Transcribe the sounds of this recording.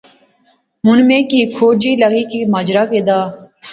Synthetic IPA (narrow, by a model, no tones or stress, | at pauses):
ɦʊnmẽːkiːkʰoːd͡ʒiːləɡiːkiːmaːd͡ʒɾaːkeːd̪aː